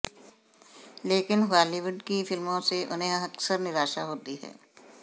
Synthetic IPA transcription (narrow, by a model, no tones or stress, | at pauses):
leːkɪnɦaːliʋʊɖkifɪlmõseʔʊ̰nɦẽɐksəɾnɪɾaːʃaɦoːt̪iɦɛ̰ː